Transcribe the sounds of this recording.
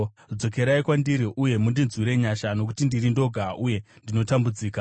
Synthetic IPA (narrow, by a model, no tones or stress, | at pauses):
d͡zo̞ke̞ɾaikwandiɾiʔuje̞mundinzwiɾe̞ɲaʃano̞k̬utindirindo̞ɡʱaʔuje̞ | ndino̞tambud͡ziːka